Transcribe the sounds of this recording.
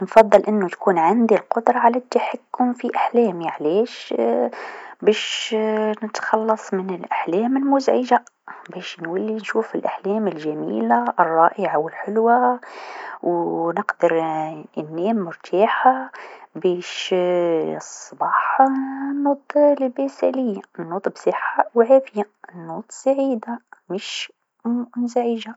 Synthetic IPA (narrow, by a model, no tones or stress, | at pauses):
nfɑðˤːɨlʔɪnːut̪kuːnʕand̪ilqʊd̪ɾˤɑʕalæt̪ːaħakːʊmfiʔaħlɛːmiʕaleːʃ | bɛːʃ | nɪt̪xɑlːɑsˤmɪnɪlʔaħlɛːmɪlmʊzʕɪʒa | bɛːʃnwalːinʃuːfɪlʔaħlɛːmɪlʒamḭːlaʔrˤːɑːʔɪʕawɪlħʊlwa | wnəqd̪əɾənːiːmːʊɾt̪ʰɑːħabɛʃ | sˤːbɑːħnːʊd̪ˤllbæsa̰ləjːanːut̪ˤbsˤəħawʕafɪja | nːut̪ˤsaʕid̪aməʃ | mzʕiʒa